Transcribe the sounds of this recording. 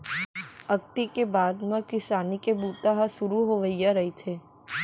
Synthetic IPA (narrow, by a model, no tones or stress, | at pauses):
ək̚t̪ikebaːd̪mãkɪsaːnikebuːt̪aɦasʊɾuɦoʋəjjaɾəɦit͡ʃʰe